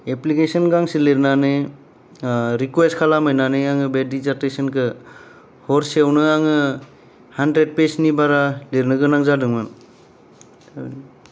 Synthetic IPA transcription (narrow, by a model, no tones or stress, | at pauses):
eplikesɔnɡaŋsileɾnane | ɾikweskʰalamɯjnaneaŋɯbedizaɾtesɔnkʰɯ | hɔɾswnɯaŋɯ | handɾed̚pesnibaɾaleɾnɯɡɯnaŋzadɯŋmɯn | n